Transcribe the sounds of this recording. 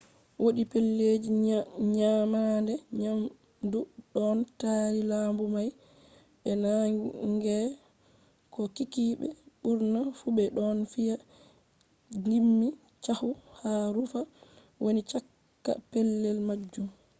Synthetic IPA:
wʔoɗipɛlːed͡ʒiɲamandɛɲam | duɗɔntaːɾilambumaj | ɓɛnaŋɡɛ | kɔkikiɓɛ̰ɓuɾnafuɓɛɗɔnfija | ŋɡimːi | t͡ʃahuhaɾufa | wonit͡ʃakː | a̰pɛlːɛlmad͡ʒːum

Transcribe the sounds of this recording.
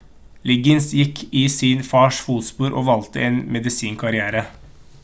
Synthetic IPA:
lɪɡɪnsjɪkʰːɪsinfɑːʂfuːt̪spuːɾʔoːʋɑlt̪ə̰ʔeːnmɛd̪ɪsiːŋkʰɑɾɪæːɾə

